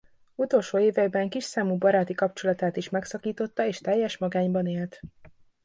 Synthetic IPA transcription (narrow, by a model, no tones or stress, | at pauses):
ut̪o̞lʃoːeːvɛɡbɛŋkiʃsaːmuːbɒɾaːt̪ikɒpt͡ʃo̞lɒt̪aːt̪iʃmɛksɒkiːt̪o̞t̪ːɒeːʃt̪ɛjːɛʃmɒɡaːɲbɒneːlt̪